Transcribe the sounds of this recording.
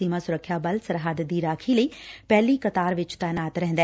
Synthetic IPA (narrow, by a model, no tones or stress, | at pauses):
imãːsʊɾəkʰːjaːbəlsəɾɦaːd̪d̪iːɾaːkʰiːləiːpɛːliːkət̪aːɾʋɪt͡ʃt̪ɛːnaːt̪ɾɛɦːnd̪ɛː